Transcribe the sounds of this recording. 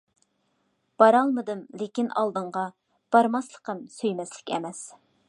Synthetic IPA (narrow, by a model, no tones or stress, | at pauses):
b̥ɑɾɑlˠmɨd̪ɨmlekʲinɑ̰lˠd̪ɨɴʁɑ | b̥ɑɾmɑslˠəqəmsøjmɛslɪ̥kʲʰɛ̰mɛs